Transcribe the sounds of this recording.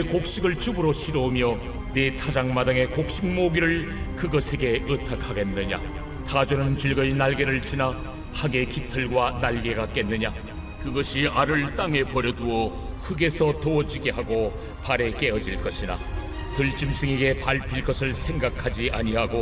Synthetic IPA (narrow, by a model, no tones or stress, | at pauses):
ekok̚ɕ͈iɡɯɭt͡ɕubɯɾoɕʰiɾomjʌ | ne̞tʰad͡ʑaŋmadaŋe̞kok̚ɕ͈iŋ̚moɡiɾɯɭ | kɯɡʌsʰe̞ɡe̞ɯtʰakʰaɡe̞nːɯɲa̰ | tad͡ʑonɯnt͡ɕiɭɡʌinaɭɡe̞ɾɯɭt͡ɕina | haɡe̞kitʰɯɭɡwanaɭɡe̞ɡak͈e̞nːɯɲa | kɯɡʌɕʰiaɾɯɭt͈aŋe̞pʌɾjʌduʌ | hɯɡe̞sʰʌtoʌd͡ʑiɡe̞ɦaɡo | paɾe̞k͈e̞ʌd͡ʑiɭk͈ʌɕʰina̰ | tɯɭt͡ɕ͈imsʰɯŋeɡe̞paɭpʰiɭk͈ʌsʰɯɭsʰe̞ŋɡakʰad͡ʑiʔaɲiɦaɡo